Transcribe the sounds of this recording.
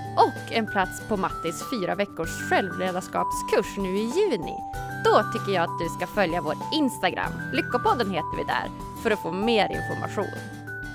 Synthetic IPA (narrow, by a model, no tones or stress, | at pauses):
ʔɔkːɛnpʰlat̪spʰɔmat̪ːɪsfyːɾavɛkːʊʂɧɛlvleːd̪aʂkɑ̰ːpskʰɵʂnʉ̟ːɪjʉ̟ːnɪ̰ | d̪̥ɔt̪ʰʏkːəjɑːat̪̚d̪ɵskafœljavoːʈɪnst̪aɡɾa̰mːlʏkːapɔd̪ːənɦeːt̪əɾvɪ̰d̪æ̰ːɾ | fœɾɔfoːmeːɾɪ̰nfɔɾmʔa̰ɧṵːn